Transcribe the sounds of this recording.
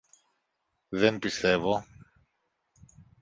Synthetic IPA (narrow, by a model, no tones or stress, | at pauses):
ðempist̪e̞vo